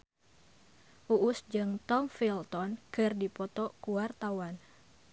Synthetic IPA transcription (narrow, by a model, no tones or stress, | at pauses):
ʔuʔːsd͡ʒɨŋt̪ɔmfilt̪ɔnkɨrdipɔt̪ɔkuwart̪awan